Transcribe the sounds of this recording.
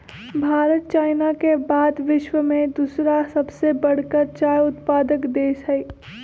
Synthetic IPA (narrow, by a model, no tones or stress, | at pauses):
bʱaːɾət̪̚t͡ʃaːɪnakebaːd̪ʋɪʃwəmẽd̪uːsɾasɐbsebɐɽ̤kəɾt͡ʃaːjʊt̪paːd̪əkd̪eːsɦɛi